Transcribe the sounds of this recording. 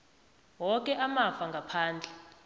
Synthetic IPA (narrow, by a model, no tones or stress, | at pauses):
wɔkʼɛʔamafaŋɡʱapʰaːnd͡ɮʱɛ